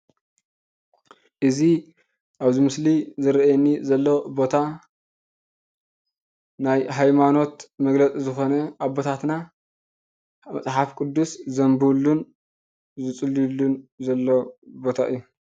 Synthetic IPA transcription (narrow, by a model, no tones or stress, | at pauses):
ʔɨzi | ʔaβzimɨslizɨɾʔjɛnizɐlːobo̞t̪ʰa | najɦajmano̞t̪mɐɡlɐt͡sʼizɨxo̞nɐʔaβbo̞t̪ʰat̪na | mɐt͡sʼħafkʼɨd̪ːuszɐmbulːun | zɨt͡sʼɨlːilːunzɐlːobo̞t̪ʰaʔɨ̰jːu